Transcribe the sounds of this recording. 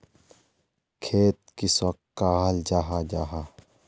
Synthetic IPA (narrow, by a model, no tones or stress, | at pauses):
kʰeːt̪̚kisɐk̚ | kːaːld͡ʒaːɦad͡ʒaːɦa